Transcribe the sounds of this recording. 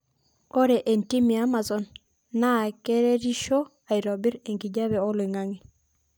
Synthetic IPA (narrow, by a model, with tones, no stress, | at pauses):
ɔ˦ɾɛ˨ʔe˨nti˦mi˨a˦ma˨zɔ˨nː | a˦˨ke˦ɾe˦ɾi˦ʃo˦ | a˨i˨ɾɔ˨bi˦ɾe˨ŋɡi˨ɟa˦βɛ˨ɔ˦lwi˨ŋa˦ŋi˨